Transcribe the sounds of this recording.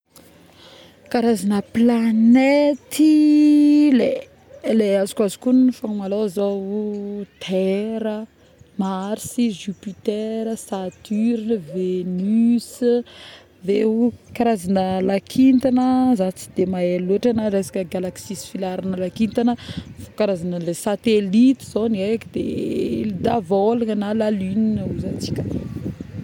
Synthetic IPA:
kaɾazanəplanet̪ʰi | le | leazu̥kazu̥kunifaŋmalowzawt̪ʰɛɾə | maɾisiʒupit̪eɾəsat̪yɾinəvenys | vekaɾazanəlakʰint̪anəzat͡si̥d̪emaeloʈ͡ʂanaɾesḁkəɡalaksisi̥filaɾanəlakint̪anəfokaɾazanəlesat̪elit̪iz̥oniekid̪eid̪avolaŋənalalyninuzat͡si̥kʲə

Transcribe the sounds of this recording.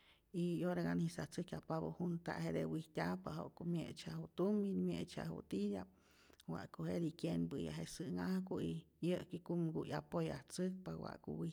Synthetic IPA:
ioɾaɣanisaht͡sɨkjapaβohunt̪a̰ʔɦed̪ewiht̪ʲapaɦo̰ʔkomjet͡ʃahut̪uminmjet͡ʃa̰hṵt̪ijʲap̚ | wa̰ʔkohed̪ikjenbɨja̰ɦesɨŋahkuijəʔkikumɡujapojaht͡sɨk̚pawa̰ʔkuwih

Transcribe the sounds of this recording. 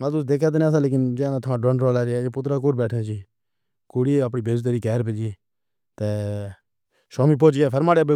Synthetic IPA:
mãːt̪ʊsd̪eːkʰjaːt̪̬nas̬ãːleːk̬ɪnd͡ʒeãnãːt̪ʰʊmãːɖənɾoːlaːɾaːeːpʊt̪ɾaːk̬oːɾbɛːʈʰat͡ʃiː | kuːɽiːəpɳiːbezt̪əɾiːkɛːɾpɛːd͡ʒiː | t̪eː | ʃoːmiːp̬oːt͡ʃɡɛːpʰəɾmaːɽeːbe

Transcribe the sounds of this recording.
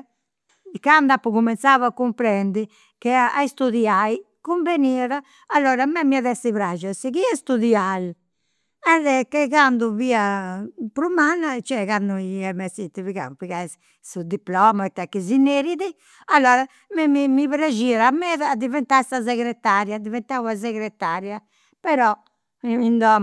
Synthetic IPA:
kand̪apːuɣumɛnt̪savakːumpɾɛnd̪i | kɛaist̪uðiai | kuɱveniɛɾaː | lːɔɾamɛmiaðɛsiβɾad͡ʒasikiast̪uðial | ɛðɛkːɛkand̪uviapɾumanat͡ʃɛɣand̪uiɛmɛsit̪iviɣa̰upiɣas | sud̪iplɔmaɛt̪ːɛkːizineɾiði | alːɔːɾa | mɛmimiβɾad͡ʒiɾamɛðad̪ivɛnt̪asazɛɣɾɛt̪aɾjad̪ivɛnt̪awazɛɣɾɛt̪ːaɾja | pɛɾɔ | ind̪ɔ

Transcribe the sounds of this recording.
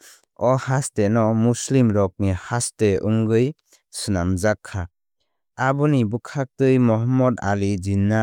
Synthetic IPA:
ɔhastenɔmuslimɾɔk̚nihasteuŋɡɯj | sɯnamzakʰːa | abɯnibukʰak̚tɯjmɔɦɔmːɔda̰lid͡ʒinːa

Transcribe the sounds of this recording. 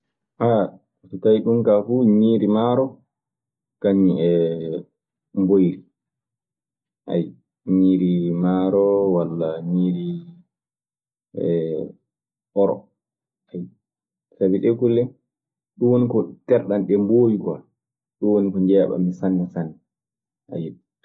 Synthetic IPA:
ha | tɔkajɗumkafuɲiːɾimaɾɔ | kaɲːiɛ | mbojɾi | ʔa̰j | ɲiːɾimaɾɔwalːaɲiːɾi | ɛ | ɔɾɔ̰ | aj | sabiɗɛkulːɛ | ɗuwonikɔtɛɾɗanɗɛmboːwikɔa̰ | ɗuwonikɔɲd͡ʒɛːɓa̰misanːɛsanːɛ | ʔa̰jɛ

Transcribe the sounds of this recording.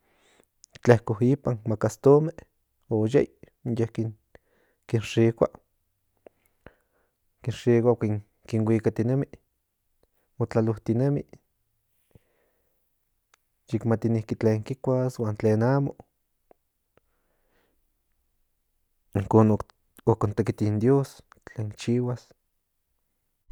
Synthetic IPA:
t͡ɬehkohipanmakast̪ome | ojḛj | jehkin | kinʃikʷa̰ | kinʂiːkʷakiŋ | kinwʷiːkat̪inemi | mot͡ɬaloht̪inemi | jikmat̪inihkit͡ɬeːŋkikʷaswaːnt͡ɬeːnaːmo̰ | iŋkoːno | okont̪ekit̪ind̪joːst͡ɬeːŋkt͡ʃiːwas

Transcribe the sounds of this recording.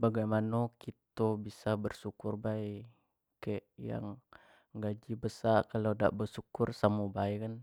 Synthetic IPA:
baɡajmanokit̪obisabərsukʊrbai | keʔja̰ŋ | ɡad͡ʒibəsarkalada̰ʔbəsukʊrsamubajkan

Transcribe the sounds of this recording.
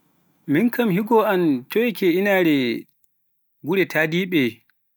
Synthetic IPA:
minkamɦhiɡɔantɔkʰɛinaɾɛ | ɡuɾɛtʰadiːɓɛ

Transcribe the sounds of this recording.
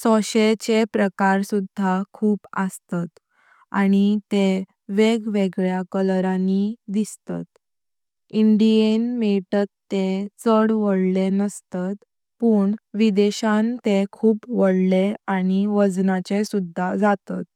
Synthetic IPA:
sɔɕet͡ɕepɾəkaɾsud̪ʱːakʰuːpə̰st̪at̪ | a̰ɽ̃it̪e | ʋeɡʋeɡɭjakəlɾanid̪ist̪a̰t̪ | iɳɖienmeʈ̪ət̪ːet͡səɽʋəɽlenəst̪at̪ | puːɳʋid̪eɕãnt̪ekʰuːpʋəɽleaɽ̃iʋəd͡znat͡ɕesud̪ʱːad͡zat̪at̪̚

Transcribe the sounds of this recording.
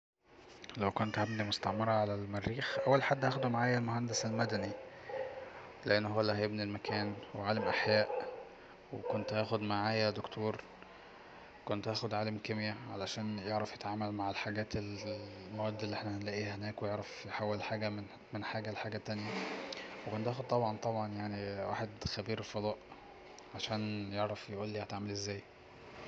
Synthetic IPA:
læwkont̪hæbnimost̪ɑʕmɑɾˤɑʕalælmærːiːxʔæwːælħad̪ːhæːxod̪umaʕaːjælmoɦænd̪eselmæd̪æni | leʔenːhowːælæhæjebnilmækʰæːnweʕaːlæmʔaħjæːʔ | wekont̪hæːxod̪maʕaːjæd̪okt̪ʰoːɾˤ | kont̪ʔæːxod̪ʕaːlæmkemjæʕa̰læʃæːnjeʕɾˤɑfjet̪ʕaːmælmaʕelħaɡæːt̪elmæwæːd̪ːelːiʔeħnæhænlæːʔiːhenæːkwejeʕɾˤɑfjeħawːelħaːɡæm | menħaːɡælħaːɡæt̪ːænjæwekont̪ʔæːxod̪̚t̪ɑbʕɑnt̪ˤɑbʕɑnjaʕniwa̰ːħed̪xæbiːɾfod̪ˤɑːʔ | ʕaʃæːnjeʕɾˤɑfjeʔuːlːiːhæt̪aʕmælʔezːæːj

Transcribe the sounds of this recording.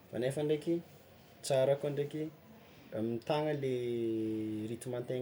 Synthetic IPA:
fa̰nefaɳɖ͡ʐekʲi | t͡saɾakuaɳɖ͡ʐeki | mit̪aŋəle | ɾit̪umant̪eŋ

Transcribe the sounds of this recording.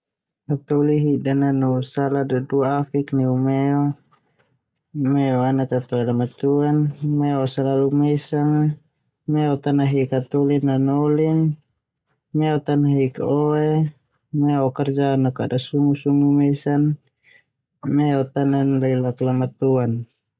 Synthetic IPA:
hat̪uliɦidananusaladaduaːfiknɛumɛɔ | mɛɔanat̪at̪ɔɛlamat̪uanmɛɔsalalumɛsaŋ | mɛɔt̪anaɦikat̪ulinanɔliŋ | mɛɔt̪anaɦikɔe | mɛɔkɛrd͡ʒanakadasuŋusuŋumɛsan | mɛɔt̪ananlailaklamat̪uan

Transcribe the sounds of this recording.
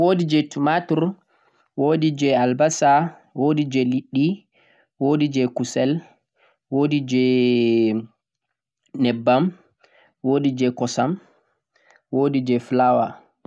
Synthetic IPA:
wodid͡ʒɛtumatuɾ | woːdid͡ʒɛalbasa | wodid͡ʒɛliɗːi | wodid͡ʒɛkusɛl | woːdid͡ʒɛ | nɛbːam | woːdid͡ʒɛkɔsam | woːdid͡ʒɛflawa̰

